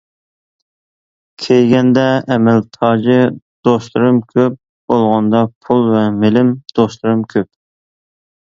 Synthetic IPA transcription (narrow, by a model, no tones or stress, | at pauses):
kʲʰejɡʲɛnd̪ɛːmɛlt̪ʰɑːd͡ʒɨ | d̪̥oslˠɨɾɨmkʲʰøp̚ | b̥olˠʁɑnd̪ɑpʰulˠvɛmɪlɪmd̪̥oslˠɨɾɨmkʲʰøp̚